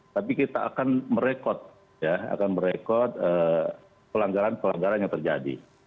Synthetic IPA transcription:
t̪apikit̪aa̰kanməɾekɔt̪̚ | jaa̰kanməɾekɔt̪̚əː | pəlaŋɡaɾanpəlaŋɡaɾanjaŋt̪ərd͡ʒa̰dḭ

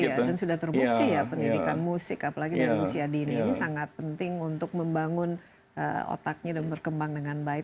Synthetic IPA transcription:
adansudaht̪ərbut̪ijapəndidikanmusɪkapalaɡidaɾimusiadiniːnisaŋat̪̚pənt̪ɪŋunt̪ʊk̚məmbaŋʊn | ʔə̰o̰t̪ak̚ɲadanbərkəmbaŋdəŋanbaɪt̪̚

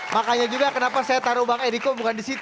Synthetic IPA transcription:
makaɲad͡ʒuɡakənapasajat̪aɾubaŋeɾikobukandisit̪

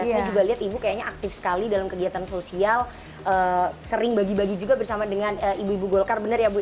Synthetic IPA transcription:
nid͡ʒuɡaliɦat̪ibukajaɲaʔak̚t̪ɪfsə̥kalidalamkəɡiat̪ansosial | ʔəːsəɾɪŋbaɡibaɡid͡ʒuɡabərsamadəŋanəibuibuɡolkarbənərjabu

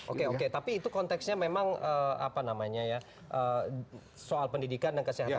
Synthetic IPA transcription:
ʔo̰keoket̪apiːt̪ukɔnt̪ɛksɲamemaŋəa̰panamaɲaja | ʔə | soalpəndidikandaŋkəsiɦa

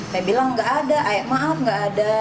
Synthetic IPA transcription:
kajabilaŋːɡaʔadaʔajaʔmaʔafŋɡaʔːda

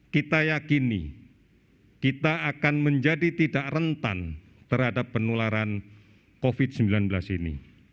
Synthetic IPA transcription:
kit̪ajakinḭ | kit̪aakanməɲd͡ʒadit̪idaʔrənt̪a̰n | t̪ərhadapːənulaɾan | kofɪd̥səmbilanbəlasinḭ

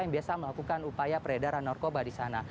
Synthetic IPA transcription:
jaŋbiasaməlakukanupajapəɾedaɾanːɔrkobadisana

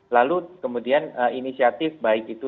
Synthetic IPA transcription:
lalukəmudianəinisiat̪ɪfbaɪkit̪u

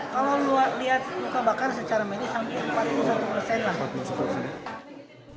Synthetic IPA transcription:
kalawluarliat̪̚lukabakarsət͡ʃaɾamedisampɪləmpat̪̚lusat̪upərsɛnlah

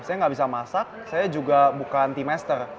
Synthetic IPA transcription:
sajaŋɡaʔbis̬amasak̚sajad͡ʒuɡabukant̪imɛst̪ər

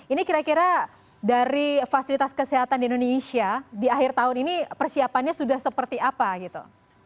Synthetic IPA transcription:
inikiɾakiɾa | daɾifasilit̪askəseɦat̪andiindonesiadiaɦɪrt̪aɦʊninipərsiapanɲasudahsəpərt̪iapaɡit̪ṵ

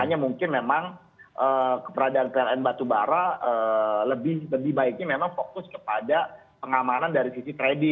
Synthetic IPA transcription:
aɲamuŋkɪnmemaŋ | ʔəkə̥pəɾadaːnpeɛlɛnbat̪ubaɾaəːləbɪhləbɪhbaɪk̚ɲamemaŋfokʊskə̥pada | pəŋamanandaɾisisit̪ɾedɪ

